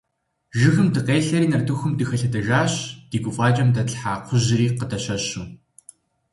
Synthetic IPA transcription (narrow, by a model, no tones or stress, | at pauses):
ʒɪxɨmdɨqeːɬɐɾiːnɐrdɨxɨmdɨxɐɬɐdɐʒaːɕd̥iːɡʷʊfʼaːt͡ʃʼɐmdɐɬħaːqʷʰʊʑɪriːqədɐɕɐɕuː